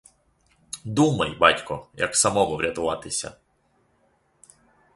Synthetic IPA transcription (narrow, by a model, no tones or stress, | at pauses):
d̪umɐjbɑtʲkɔjɐksɐmɔʋɔʋɾʲɐt̪ʊʋɑt̪ɪsʲɐ̰